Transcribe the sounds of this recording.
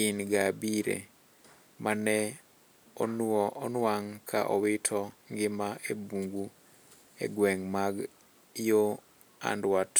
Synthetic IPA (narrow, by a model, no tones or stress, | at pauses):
inɡabiɾḛ | manɛ | ɔnɔnwaŋkʰaʔɔ̰wɪtʰɔŋɡɪmaebuŋɡu | ḛɡwɛŋmaɡ | jo | a̰ndwat